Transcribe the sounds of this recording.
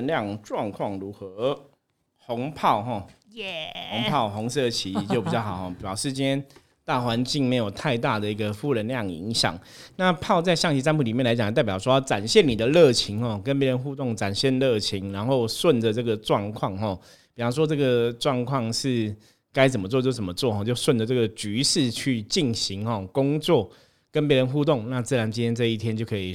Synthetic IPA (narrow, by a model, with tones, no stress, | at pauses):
nljɑ˥˨ŋʈ͡ʂwɑ˥˧ŋkʰwɑ˥˨˩ŋɻu˧˦˥xɤ˧˦ | hʊ˨˧˥ŋpʰɑ˥˧ʊxɔ˥˩ | ho˧˥ŋpʰɑ˥˩ʊxʊ˧˦˥ŋsɤ˥˩t͡ɕʰi˧˥t͡ɕjo˥˩ʊpi˨˩t͡ɕjɑ˥˩xɑ˨˩ʊxɔ˥˩pi˨˩ɑ˧˥ʊʂɻ̩˥˩t͡ɕi˥nt̪ʰjɛ˥n | t̪a˥˩xwa˧˦nt͡ɕi˥˩ŋme˧˥ɪjo˨˩ʊt̪ʰa˥˧ɪt̪a˥˩d̪ə˩i˧˥ɡə˨fu˥˩ɻə˧˥nljɑ˥˨ŋḭ˧˥ŋɕjɑ̰˨˩˦ŋ | na˥˧pʰɑ˥˧ʊt͡sa˥˧ɪɕjɑ˥˧ŋt͡ɕʰi˧˥sa˥npu˥˩li˨˩mjnla˧˥ɪt͡ɕt̪a˥˩pjʂwɔ˥jɑ˥˩ʈ͡ʂa˨˩nɕjɛ˥˩nːi˨d̪ə˦lɤ˥˩t͡ɕʰi˨˧˥ŋxɔ˥˩kə˦np̬jɛ˧˥ɻə˧˦nxu˥˧t̪o˥˩ŋʈ͡ʂa˨˩nɕjɛ˥˧nlɤ˥˩t͡ɕʰi˨˧˦ŋɻa˧˦˥nxo˥˧ʊswə˥˨ndə˩ʈ͡ʂɤ˥˩ɡə˩ʈ͡ʂwɑ˥˧ŋkʰwɑ˥˧ŋxɔ˥˩ | pi˨˩wɑ˥ʊʂ̬ɔ˥ʈ͡ʂɤ˥˩ɡə˩ʈ͡ʂwɑ˥˧ŋkʰwɑ˥˧ŋʂɻ̩˥˩ | ka˥ɪt͡sə˨˩mə˦t͡swɔ˥˧t͡ɕjo˥˩ʊt͡sə˨˩mə˦t͡swɔ˥˨xɔ˥˧˩t͡ɕjo˥˧ʊswə˥˩nd̪ə˩t͡sɤ˥˩ɡə˩t͡ɕy˧˥ʂɻ̩˥˧t͡ɕʰy˥˧t͡ɕi˥˩nɕi˨˦˥ŋxɔ˥˨˩kʊ˦˥ŋt͡swɔ˥˩ | kə˦˥npje˧˥ɻə˧˦nxu˥˧t̪̬ʊ˥˨˩ŋna˥˧t͡sɹ̩˥˩ɻa˧˦nt͡ɕi˥nt̪ʰjɛ˥nt͡sɤ˥˧i˥˩t̪ʰjɛ˥nt͡ɕo˥˩ʊkʰɤ˧˥i˨˩